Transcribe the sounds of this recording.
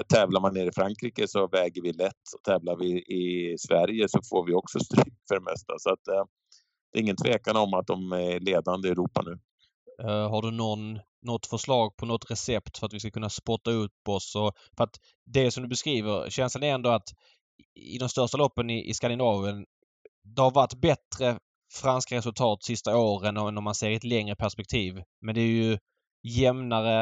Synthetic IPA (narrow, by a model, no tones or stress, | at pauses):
t̪ʰɛːvlaɾmaneːɾɪfɾaŋkɾiːkəsɔvɛːɡəɾvɪlɛt̪ːɔ̥t̪ʰɛːvlaɾvɪʔɪsvæɾjəsɔfoːɾvɪɔksɔst̪ɾyːkfœɖɛmɛ̰st̪a̰sɔat̪̚ | d̪ɛːɾɪŋːənt̪ʰveːkanəɔmat̪̚d̪ɔmæɾɭeːd̪and̪əɛɾuːpa̰nʉ̟ː | ɦaɖɵnɔnː | ɔt̪ːfœʂlɑːɡ̚pʰɔnɔt̪ɾɛsɛpt̪fœɾat̪vɪskakʰɵnːaspɔʈːaɵpːɔsɔ | fœɾat̪ | d̪ɛsɔmd̪ɵbɛskɾiːvəɾɕɛnslənɛɾɛnd̪ɔat̪ | ɪ̰d̪ɔmst̪œʂʈalɔpːənɪʔɪ̰skand̪ɪnɑːvʊən | d̪ɛhaɾvaʈːbɛt̪ɾə | fɾanskaɾɛsɵlt̪ʰɑːt̪sɪst̪aoːɾɛnnːɔmanseːɾɛt̪lɛŋɾəpʰæʂpɛk̚t̪ʰiːv | mɛnd̪ɛːɾjɵ | jɛmnaɾə